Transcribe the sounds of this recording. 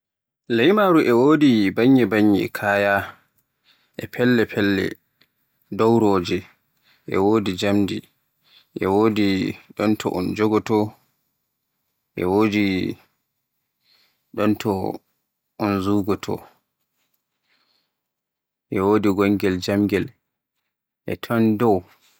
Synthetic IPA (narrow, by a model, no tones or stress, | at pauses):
lajmaɾuʔɛwoːdibaɲːɛbaɲːɛkʰaːja | ʔɛpʰɛlːɛpʰɛlːɛ̰ | dɔwɾɔːd͡ʒɛ | ʔɛ̰woːdid͡ʒamdi | ʔɛwoːdiɗɔntʰɔ̰ʔɔ̰nd͡ʒɔɡɔtɔ | ʔɛwoːdi | ɗɔntʰɔ | ʔɔnzuɡɔtʰɔ̰ | ʔɛwoːdiɡɔŋɡɛld͡ʒamɡɛl | ʔɛ̰tʰɔndɔw